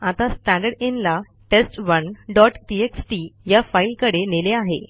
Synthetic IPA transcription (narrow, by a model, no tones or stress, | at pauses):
at̪asʈæ̃ɳɖəɽenla | ʈesʈʋənɖɔʈʈieksʈijafailkəɽeneleaɦḛ